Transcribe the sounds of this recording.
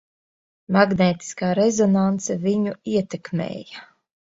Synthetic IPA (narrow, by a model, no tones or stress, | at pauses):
maɡnɛːt̪i̥skaːɾezɔnant̪sɛviɲuiɛt̪ekmʲḛːja